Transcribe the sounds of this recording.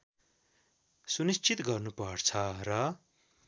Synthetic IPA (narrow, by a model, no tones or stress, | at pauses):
sunist͡sit̪ɡʌrnupʌrt͡sʰʌrʌ